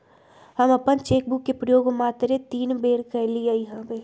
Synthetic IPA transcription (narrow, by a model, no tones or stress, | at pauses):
həmɐpənt͡ʃeːk̚bukːepɾəjoːɡmaːt̪ɾet̪iːnbeːɽkɐɾliejɦãːbeː